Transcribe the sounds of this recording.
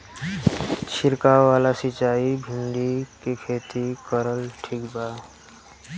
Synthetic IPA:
t͡ʃʰɪɾkaʋaːlasɪt͡ʃaːibʱɪ̃nd̪ikekʰeːt̪ikəɾəlʈʰiːkbaː

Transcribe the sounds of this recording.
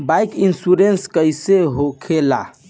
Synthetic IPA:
bajkinsuɾenskəjseɦokʰela̰

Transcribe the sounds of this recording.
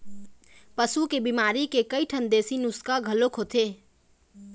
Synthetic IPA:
pəsukebimaɾikekəjʈʰənd̪esinuskaɡʱəlokʰɦot̪ʰe

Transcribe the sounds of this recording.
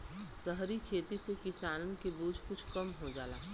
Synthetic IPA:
səɦɾikʰeːt̪isekɪsaːnənkebuːd͡ʒkʊt͡ʃʰkɐmɦod͡ʒa̰ːla̰ː

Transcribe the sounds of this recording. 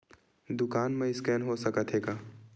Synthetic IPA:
d̪ʊkaːnmẽɪskɛːnɦosəkət̪ʰɦeːɡaː

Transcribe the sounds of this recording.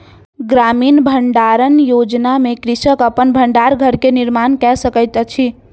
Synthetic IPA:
ɡɾaminbʱəɳɖaɾənjod͡ʒnamekɾisəkəpənbʱəɳɖaɾɡʱəɾkeniɾmankɛsəkəjt̪t͡ʃʰi

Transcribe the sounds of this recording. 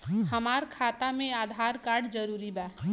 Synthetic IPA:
həmaːɾkʰaːt̪amẽaːd̪ʱaɾkaɾɖd͡ʒəɾuːɾibɛ

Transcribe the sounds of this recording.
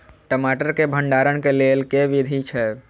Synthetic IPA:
ʈəmaʈəɾkebʱəɳɖaɾəɽkelelkeʋid̪ʱit͡ʃʰɛ

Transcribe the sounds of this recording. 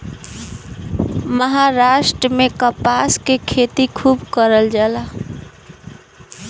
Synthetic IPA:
məɦaɾaʃʈɾəmekəpaskekʰet̪ikʰubkəɾəld͡ʒala

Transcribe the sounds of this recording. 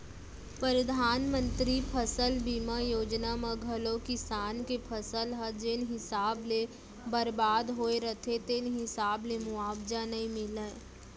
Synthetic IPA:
pəɾəd̪ʱaːnmə̃nt̪ɾipʰəsəlbiːmajoːd͡ʒnaməɡʱəlõkisaːnkepʰəsəlɦəd͡ʒɪnɦɪsaːble | bəɾbaːd̪ɦoːeɾət̪ʰet̪enɦɪsaːblemʊaːbd͡ʒanɐĩmɪlə

